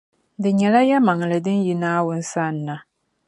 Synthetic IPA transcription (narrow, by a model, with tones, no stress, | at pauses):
dɨ˨ɲɛ˨la˦jɛ˦ma˨ŋ˨lɨ˨dɨ˦nji˦naː˦wʊ˨n̩˦sa˦˨nː˦a˨